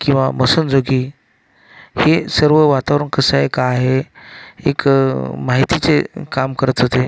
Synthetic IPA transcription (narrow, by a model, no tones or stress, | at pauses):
kĩw̃ʋaməsənd͡zoɡi | hesəɾʋəʋat̪aʋɾəɳkəsaekaːɦe | ḛkmaɦit̪it͡sekamkəɾət̪ɦot̪e